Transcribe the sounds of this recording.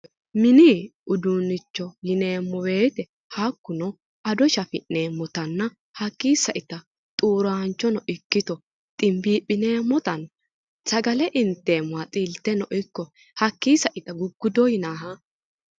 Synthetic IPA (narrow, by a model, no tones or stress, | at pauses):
mɪniːʊd̪unːɪt͡ʃːɔjɪne̞ːmːɔwe̞ːt̪ɛ | hakːʊnɔ | ɐd̪ɔʃɐfɪʔne̞ːmːɔt̪ɐnːɐ | hɐkːiːsɐʔɪt̪ɐ | t̪ʼuːɾaːnt͡ʃːɔnɔʔɪkːɪt̪ɔ | t̪ʼɪmbiːpːɪneːmːɔt̪ɐn | sɐɡɐlɛʔɪnt̪ːeːmːɔat͡sʼiːlt̪ːɛnɔʔɔkːɔ | hɐkːiːsɐʔɪt̪ɐɡʊɡːʊd̪ɔjɪnaːɦɐ